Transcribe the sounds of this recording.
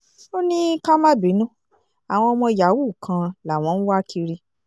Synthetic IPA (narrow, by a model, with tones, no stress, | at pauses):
o˦nĩ˦ka˦mã˦˨bi˨˦nũ˦ | a˨w̃ɔ̃˧ɔ˧mɔ̃˧˨ja˨˦wu˦˨kʰã˧la˨w̃ɔ̃˨˧n̩˦wa˦kʰi˧ɾi˧